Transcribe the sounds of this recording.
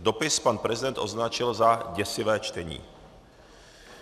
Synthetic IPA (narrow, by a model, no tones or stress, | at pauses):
d̪opɪspanpɾɛzɪdɛnt̪ʔoznat͡ʃɪlzaɟɛsɪvɛːt͡ʃt̪ɛɲḭː